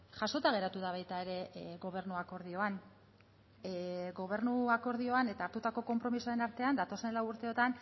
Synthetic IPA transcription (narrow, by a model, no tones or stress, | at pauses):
ʝaso̞t̪aɣ̞e̞ɾat̪uðaβ̞ajt̪ae̞ɾe̞ɣo̞β̞e̞ɾnuako̞ɾð̞io̞an | ɡo̞β̞e̞ɾnuako̞ɾð̞io̞ane̞t̪aːɾt̪ut̪ako̞ko̞mpɾo̞misoae̞naɾt̪e̞and̪at̪o̞se̞nlawuɾt̪e̞o̞t̪an